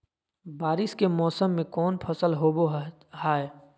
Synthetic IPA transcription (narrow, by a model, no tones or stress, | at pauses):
baːɾɪskemɔːsəmːẽkɔːnpʰəsəlɦoːbo | ɦaːe